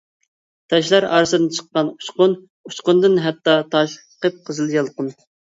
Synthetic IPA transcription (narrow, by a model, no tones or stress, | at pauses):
t̪ʰɛʃlæɾɑːɾɨsɨd̪ɨnt͡ʃʰə̥qːɑnu̥ʃqʊn | uʃqʊnd̪ɨnɦɛt̪ːɑt̪ʰɑʃ | qəp̚qʰəzɨlˠjɑlˠqʊn